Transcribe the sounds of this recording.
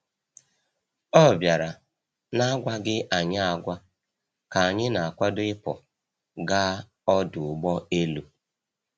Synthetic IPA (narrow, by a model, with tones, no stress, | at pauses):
ɔ˦˨bja˨ɾa˨ | na˦ɡʷa˦ɡɪ˦ʔa˨ɲa˦a˨ɡʷa˦ | ka˨a˨ɲɪ˦na˨a˨kʷa˦dʊ˦ɪ˦pɔ˨ | ɡa˦ | ɔ˦dʊ˨ʊ˨ɡ͡bɔ˦e˦lu˨